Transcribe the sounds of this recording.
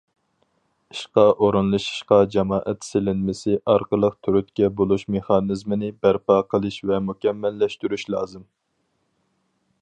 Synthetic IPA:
iʃqɑʔoɾɨnlˠɨʃi̥ʃqɑd͡ʒɑmɑːʔɛt̪sɪlɪnmɪsɪʔɑɾqəlˠəqt̪ʰyɾyt̪kʲɛbolˠuʃmeχɑnɨzmɨnɪbæɾpɑːqʰəlˠɨʃvɛmukʲɛmːɛlːɛʃt̪yɾyʃlˠɑ̰ːzɨm

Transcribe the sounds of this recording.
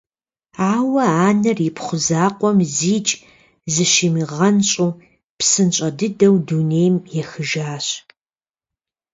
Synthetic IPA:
aːwɐaːnɐrjɪpχʷʊzaːqʷʼɔmziːt͡ʃʼ | zɨʃimiʁɐnɕʼuː | psɨnɕʼɐdɨdɐwduːneːjmjɛxɨʒaːɕ

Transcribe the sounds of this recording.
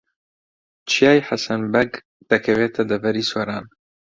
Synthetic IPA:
t͡ʃʰijaːjħasɐnbɐɡ | d̪̥ɐkʰɐveːt̪ʰɐd̪ɐvɐɾiːswɐɾaːn

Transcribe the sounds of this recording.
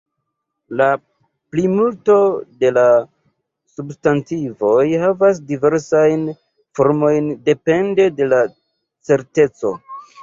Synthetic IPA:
la | plimulto̞de̞la | substantivo̞jhavas̬dive̞ɾsajn | fo̞ɾmo̞jnde̞pe̞nde̞de̞la | t͡se̞ɾte̞t͡so̞

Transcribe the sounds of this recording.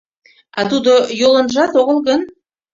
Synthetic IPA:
ɑ̰t̪ud̪ojolˠə̆nʒɑt̪oʁə̆lˠɡən

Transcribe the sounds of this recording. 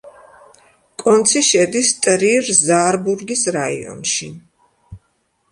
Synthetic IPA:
kʼɔnt̪sʰiʃɛd̪ist̪ʼɾiɾzaːɾbuɾɡisɾaḭɔ̰nʃi

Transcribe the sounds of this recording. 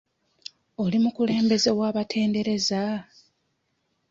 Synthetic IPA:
o̞limukule̞ːmbe̞ze̞waːβatʰe̞ːnde̞ɾe̞za

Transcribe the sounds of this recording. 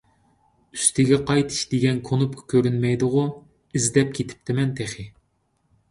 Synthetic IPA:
yst̪ʰɪɡʲɛqʰɑjt̪ʰɨ̥ʃd̪eɡʲɛnkʰonupkʰɑ̥kʲʰøɾynmɛjd̪ʊʁʊ | izd̪ɛp̚kʲʰet̪ʰɪ̥p̚t̪ʰɪmɛnt̪ʰeχɪ

